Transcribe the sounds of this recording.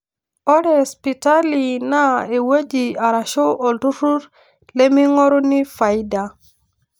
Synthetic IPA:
o˦ɾe˨spi˨ta˦li˨na˦e˨we˦d͡ʒi˨a˨ɾa˨ʃo˦ʔo˨ltu˦ɾu˦ɾ | le˦mi˦ŋo˦ɾu˦ni˦fa˨jida˨

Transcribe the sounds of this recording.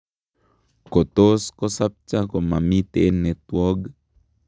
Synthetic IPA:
ko˨t̪o˦sko˦sa˦p̚t͡ʃa˦ko˨ma˨mi˦t̪ḛ˦nɛ˨t̪wɔ˦ɡ

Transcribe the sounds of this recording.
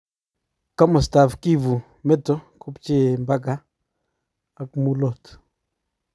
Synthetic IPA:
ka˦mʊ˨sta˨fki˦vu˨ | mɛ˦tɔ˦ku˦pt͡ʃi˦mba˦ɡa˦ | a˨kmu˦lo˦˨t

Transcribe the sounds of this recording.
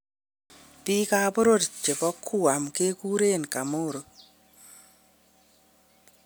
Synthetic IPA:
pi˦ka˦bo˦ɾo˦˨dt͡ʃe˨bɔ˦kʰːu˦a˨mke˦ku˦ɾe˦˨nka˨mo˦˨ɾo˨

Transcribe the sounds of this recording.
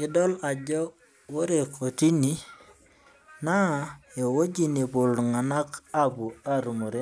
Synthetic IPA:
ɪ˦dɔ˦la˨d͡ʒɔ˦ | wo˦ɾe˨kʰo˨ti˦ni˨ | na˦˨e˨wo˦d͡ʒi˦˨ni˨bʊ˨lŋa˨na˦ka˦bu˨a˦ɾu˨mo˨ɾe˦

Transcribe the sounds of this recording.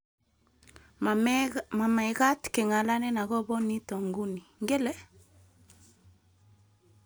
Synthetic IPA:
ma˨ma˨i˨ɣa˦tkɛ˨ŋa˨la˦nɛ˦na˨ɣɔ˦bɔ˦ni˦tɔ˨ŋɡu˦ni˨ŋɡɛ˦lɛ˦

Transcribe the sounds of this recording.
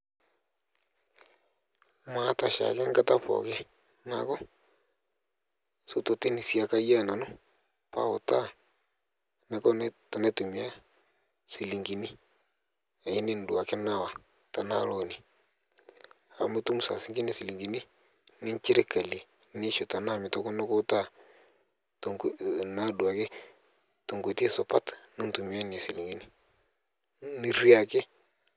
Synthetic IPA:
ma˨˦ta˨ʃa̰˨ke˦ŋɡa˦ta˦pɔ̰˨ke˦ | na̰˨kɔ˦ | so˦to˨ti˦ni˨sja˨ka˦ja˦˨na˨no˦ | pa̰˦o̰˨ta˦ | ne˦kɔ˦ta˨ne˦tu˨mi˨a˦ | si˨li˨ŋɡi˨ni˦ | a˨i˦ne˦n˨dwa˨ke˦na˦wa˨ | ta˨na˦lɔ˦ni˨ | a˨mu˦tu˦m˦sa̰˨si˦ŋɡi˦ni˦si˨li˨ŋɡi˨ni˦ | nɪ˦nt͡ʃi˦ɾɪ˦ka˨le˨ | ni˦ʃu˨ta˨na˦˨mɪ˨tɔ˦kɔ˦nɛ˦kʊ˦ta˦˨ | tŋ˦na˦du˨a˨kɪ˦ | to˨ŋɡe˨ti˦so˨pa˦tni˦n˦tu˨mi˨a˦n˨a˨si˨li˨ŋɡi˨ni˦ | ni˦ɾi˦a˨kɪ˦

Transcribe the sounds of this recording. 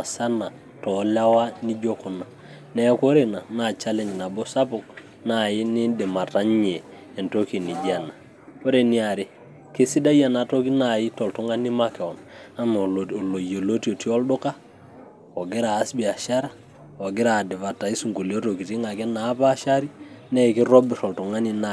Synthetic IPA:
a˨sa˦na˨ | tɔ˨la˦wa˦ni˦d͡ʒo˦kɔ˨na˨ | nɛ˦ko˦ɾe˨na˨na˨t͡ʃa˦lɛ˦ɲ˨na˨bɔ˦sa˦pʊ˨k̚ | na˨jɪ˦nɪ˦de˨ma˨ta˦ɲɲeː˨ | nto˦ki˨ni˨d͡ʒa˨na˨ | o˦ɾe˨ni˦a˨ɾe˦ | ke˦si˦da˦ja˦˨na˨to˦ki˦na˨jɪ˦tɔ˨ltu˦ŋa˦ni˦ma˦kɛ˨ɔ˨na˦m˨o˨lo˨je˨lo˦tio˨ti˦ɔ˦ldʊ˦ka˦ | ɔ˨ɡɪ˦ɾaː˨˦sbi˨a˨ʃa˦ɾa˦ | ɔ˨ɡɪ˦ɾaː˨dɪ˨va˨ta˨i˦su˨ŋɡo˨li˨o˦to˨ki˨ti˦ŋa˨kɛ˦naː˨˦pa˦ʃa˦ɾi˦nɛ˦˨kɪ˦ɾɔ˦bɪ˨tɔ˨ltʊ˨ŋa˦ni˦na˨

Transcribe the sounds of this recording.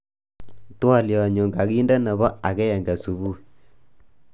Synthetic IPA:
twa˦˨ljɔ˨ɲo˨ŋɡa˨ɣi˦ndɛ˦na˨βɔ˦a˨ɣɛ˦ɛ˨ŋɡa˨su˨βu˦

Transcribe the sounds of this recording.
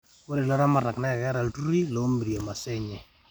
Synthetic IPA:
ko˦ɾe˨lɔ˦ɾa˦ma˦ra˨knɛ˦˨ɣɛ˦ɾa˨ltu˦ɾi˦lo˨˦mbi˨ɾja˨ma˨sɛ˦ɲɛ˨

